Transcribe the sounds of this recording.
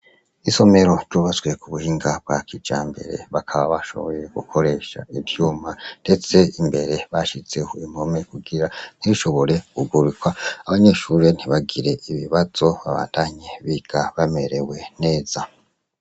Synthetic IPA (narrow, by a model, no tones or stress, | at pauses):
iso̞me̞ɾo̞ɾɟoβazɡwe̞kuβuhiːŋɡab̥̚ɡakid͡ʒa̰ːmbe̞̰ɾe̞̰βakʰaβaβaʃo̞̰βo̞je̞ɡ̥ukʰo̞ɾe̞ːʃa̰ivjuːmand̥e̞t͡se̞imbe̞ɾe̞βaʃit͡se̞hoimome̞kuɡiɾan̥iβiʃo̞βo̞ɾe̞kuɡuɾikwaaβaɲeʃuːɾen̥iβaɡiɾe̞ʔiβiβaz̥o̞βaβa̰ːntʰaɲe̞βiɡ̥aβame̞ɾe̞we̞ne̞ːz̥a